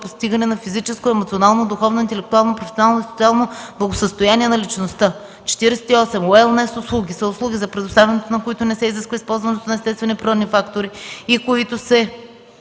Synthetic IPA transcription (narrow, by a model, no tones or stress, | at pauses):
post̪iɡɐnɛnɐfizit͡ʃɛskoɛmot̪sionalˠnod̪ʊxɔvnoint̪ɛlɛkt̪ʊalˠnopɾofɛ̥sʲonalˠnoisot̪sialˠnob̥lˠɐɡosəst̪ojaniɛnɐlit͡ʃnost̪ə | t͡ʃɛ̥t̪iɾɛsɛ̥t̪iɔsɛmoɛlˠnɛsʊslˠuɡʲisɐʊslˠuɡʲizɐpɾɛd̪ost̪avɛnɛt̪onɐkoit̪ʊnɛsɛiziskvəispɔlˠzvɐnɛt̪onɐɛst̪ɛst̪vɛnipɾiɾɔd̪nifakt̪oɾiikoit̪ʊsɛ